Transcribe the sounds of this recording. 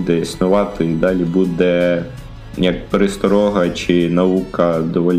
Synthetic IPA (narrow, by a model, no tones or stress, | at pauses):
d̪ɛisnʊʋɑt̪ɪid̪ɑlʲibud̪ɛ | jɐk̚peɾɪst̪ɔɾɔɦɐt͡ʃɪnɐʋukɐd̪ɔʋɔlʲ